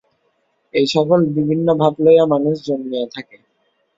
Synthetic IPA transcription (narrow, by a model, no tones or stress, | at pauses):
ejʃɔkolbibʱinːobʱaɡlojamanuʃd͡ʑonmiat̪ʰake